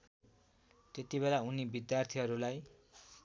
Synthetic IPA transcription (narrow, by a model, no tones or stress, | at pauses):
t̪et̪ibelaunibid̪jart̪ʰiɦʌɾulaj